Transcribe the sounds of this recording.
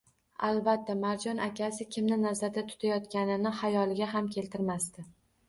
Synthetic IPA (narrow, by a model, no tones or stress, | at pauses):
alˠbat̪ʰːamaɾd͡ʒɒnʔakʲasɪkʲʰɪmnɪnazaɾd̪at̪ʰʊ̥t̪ʰajɒt̪kʲanɪnɪhajɒlˠɪɡʲaɦamkʲʰe̞lt̪ʰɪɾmast̪ɪ